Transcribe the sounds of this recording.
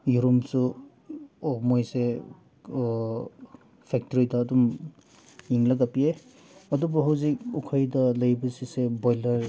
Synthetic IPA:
juɾumsu | ɔmojse | pʰek̚tɔɾidɐːdum | jiŋlɐɡapie | ɐdubɐɦɐwzik̚ukʰajdɐlɐjbɐsisebojlɐɾ

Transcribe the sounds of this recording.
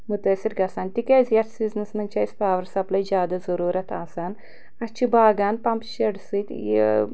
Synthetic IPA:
mut̪ɐːsiɾɡɐsaːnt̪ikeːzjɐɾsbiznɐsnɐnt͡ʃʰɐːjspaːʋɐɾsɐplɐjd͡ʒʲaːd̪ɐzɐɾuːɾɐt̪ʰaːsaːn | ɐt͡ʃʰibʱaːɡaːnpɐmpʃɐɖsit̪

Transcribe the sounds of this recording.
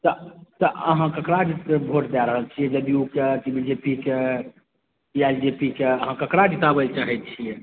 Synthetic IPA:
t̪ət̪əʔə̰ɦãkəkɾad͡ʒit̪ebʱoʈd̪ɛɾəɦəlt͡ʃʰijɛd͡ʒəd̪iukeʈibid͡ʒepike | iald͡ʒepikeəɦãkəkɾad͡ʒit̪abəlt͡ʃaɦɛt̪̚t͡ʃʰijɛ

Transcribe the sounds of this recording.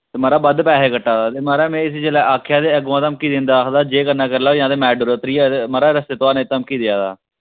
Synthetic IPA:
t̪eːməːɾaːbəd̪pɛːɦeːkəʈːaːd̪aːt̪eːməːɾaːmɛ̃ːɪs̬iːd͡ʒelɛːʔaːkʰːɪjaːd̪eːəɡãːt̪əmkiːd̪ẽːnd̪aːkd̪aːd͡ʒeːkənːaːkəɾlaːjãːd̪eːmɛːɖuːɾəːt̪ɾiːaːt̪eməɾaːɾəst̪eːt̪oaːnẽːt̪əmkiːd̪ɪjaːd̪aː

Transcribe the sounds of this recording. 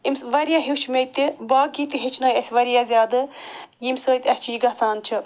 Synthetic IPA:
imsʋɐɾʲjaːɦiwt͡ʃʰmet̪ibaːɡit̪iɦit͡ʃʰnoːjɐsʲʋɐɾijaːzʲjaːd̪ɨjimʲsoːjt̪ʲɐsʲt͡ʃʰijɡɐt͡saːnt͡ʃʰi

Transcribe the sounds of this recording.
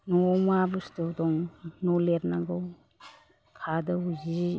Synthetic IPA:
nɔmabustɔdɔŋnɔleɾnaɡɯw | kʰadɐuzi

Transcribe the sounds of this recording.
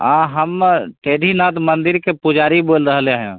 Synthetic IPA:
ãɦəmʈeːɖʱinaːt̪mə̃nd̪ɪɾkepʊd͡ʒaːɾiboːlɾəɦleɦɛ̃

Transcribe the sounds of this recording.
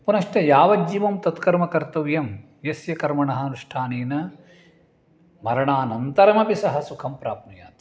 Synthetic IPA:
punɐʂʈɐjaːʋɐd͡ʒiʋɐmt̪ɐt̪kɐɾmɐkɐɾt̪ɐʋjɐm | jɐsjɐkɐɾmɐɳɐɦɐnuʂʈʰaːneːnɐ | mɐɾɐɳaːnɐnt̪ɐɾɐmɐpisɐɦɐsukʰɐmpɾaːpnɐja̰ːt̪i̥

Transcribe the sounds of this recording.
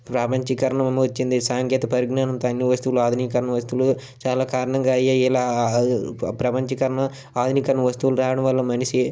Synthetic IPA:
pɾɐːpɐɲt͡ʃɐkɐɾɐɳɐmɐmɐʋɐt͡ʃːind̪isaːŋkɛːt̪ɐpɐɾiɡnaːnɐmt̪ɐɐnːiʋɐst̪uʋuluaːd̪ʱunikɐɾɐɳɐʋɐst̪uʋulu | t͡ʃaːlaːkaːɾɐɳɐŋɡaːɐjeiːlaː | pɾɐpɐɲt͡ʃɐkɐɾɐɳɐ | aːd̪ʱunikɐɾɐɳɐʋɐst̪uʋuluɾaːʋɐɽɐ̃mʋɐlːɐmɐniʃi

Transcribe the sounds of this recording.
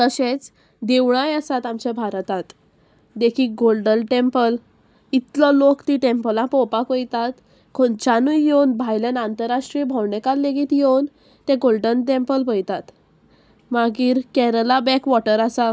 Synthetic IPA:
t̪əɕet͡s | d̪eʋɳ̃ajəsat̪amt͡ɕebʱaɾt̪at̪ | d̪ekʰiːɡolɖəlʈempəl | it̪lɔlokt̪iʈempəlãpɔpakojt̪at̪ | kʰont͡ɕanujewnbʱajlenant̪əɾaʂʈɾibʱɔwɳekalːeɡiːt̪jewn | t̪ẽɡolɖənʈẽmpəlpəjt̪at̪ | maɡiːɾkɛɾəlabɛkʋɔʈəɾasa

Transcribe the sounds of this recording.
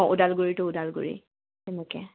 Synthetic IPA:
ʔʊdalɡuɹitʊʊdalɡʊ̰ɹḭ | tɛnɛkɛ̰

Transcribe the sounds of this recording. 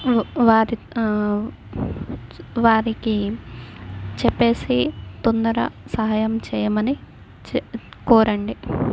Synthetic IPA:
ʋaːɾi | ʋaːɾiki | t͡ʃɛpːe̞ːsit̪ond̪ɐɾɐ̰sɐɦaːjɐmt͡ʃɛːjɐmɐni | t͡ʃkɔːɾɐɳɖi

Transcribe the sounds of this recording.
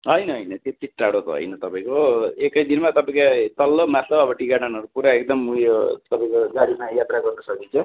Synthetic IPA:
ɦʌjnʌɦʌjnʌt̪jot͡siʈːaɽot̪ʌ̰ɦʌ̰jnʌt̪ʌpãĩkoekʌjd̪inmat̪ʌpaĩkat̪ʌlːomat̪lʌbʌbʌʈikananʌɾupuɾaekd̪ʌmujot̪ʌpaĩkoɡaɾimajat̪raɡʌrnʌsʌkint͡sʰʌ

